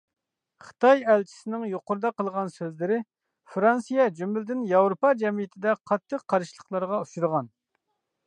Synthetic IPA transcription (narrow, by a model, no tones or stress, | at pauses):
χə̥t̪ɑjɛlt͡ʃʰi̥sɪnɪŋjoqʊɾd̪ɑqəlˠʁɑnsøzlɪɾɪ | fɾɑnsijɛd͡ʒymɪld̪ɪnjɑwɾopɑd͡ʒɛmijɪt̪ʰɪd̪ɛqʰɑt̪ʰːəqʰːɑɾɨʃlˠə̥qlˠɑɾʁɑuʃuɾʁɑn